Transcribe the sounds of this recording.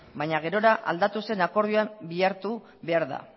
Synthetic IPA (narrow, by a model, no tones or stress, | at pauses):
baɲaɣ̞e̞ɾo̞ɾaʔa̰ld̪at̪use̞nako̞ɾðiuambiaɾt̪u | βe̞aɾða̰